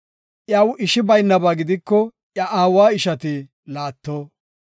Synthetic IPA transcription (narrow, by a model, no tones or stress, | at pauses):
ʔjɐwʔɪʃɪbɐjnːɐbaːɡɪd̪ɪkːɔ | ʔjɐʔaːwaːɪʃɐt̪ɪ | laːt̪ːoː